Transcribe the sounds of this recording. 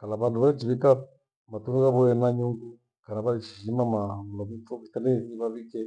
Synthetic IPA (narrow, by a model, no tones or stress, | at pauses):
kalaβanduβalit͡ʃiβika | matunuɣaβuɛnaɲuŋɡu | kanaβaliʃi̥ʃimamamulɔmutɔβitanɛiβaβikɛ